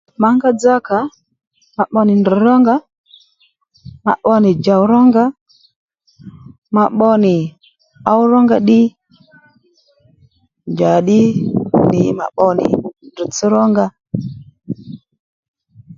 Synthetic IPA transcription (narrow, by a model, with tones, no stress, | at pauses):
ma˨ŋɡa˦d͡za˦ka˨˦ | ma˨ɓɔ˦ni˨ndi˨ɾɔ˦ŋɡa˦ | ma̰˨ɓɔ˦ni˨d͡ʒa˨wɾɔ˦ŋɡa˦ | ma˨ɓɔ˦ni˨ | a˦wu˦ɾɔ˦ŋɡa˦˨ɗi˦ | nd͡ʒa˨ɗi˦ni˨ma̰˨ɓɔ˦nḭ˨ndi˨t͡si˦ɾɔ˦ŋɡa˦